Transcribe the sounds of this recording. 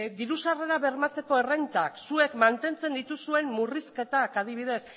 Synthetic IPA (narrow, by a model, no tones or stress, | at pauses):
d̪iɾusare̞ɾaβe̞ɾmat͡se̞ko̞e̞rent̪aksue̞kmant̪e̞nt͡se̞nd̪it̪usue̞mːuriske̞t̪akað̞iβiðe̞s